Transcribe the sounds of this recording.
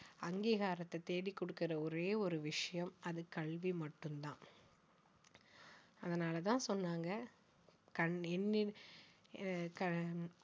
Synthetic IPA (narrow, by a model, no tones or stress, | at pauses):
ɐŋɡiːɣaːɾɐt̪ːɐt̪eːɽikːɔɽɯkːɪɾɐɔɾeːɔɾɯʋɪʂɐjɐmɐðɯkɐɭʋimɐʈːɯmt̪ãː | ɐðɐnaːlɐt̪ãːsɔnːaːŋɡɐ | kɐnɛnːɪ | kɐ